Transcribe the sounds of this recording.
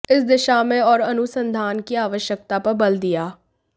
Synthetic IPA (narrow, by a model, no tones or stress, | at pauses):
ɪsd̪ɪʃaːmɛ̃ːɔːɾənʊsənd̪ʱaːnkiːaːʋəʃjək̚t̪aːpəɾbəld̪ɪjaː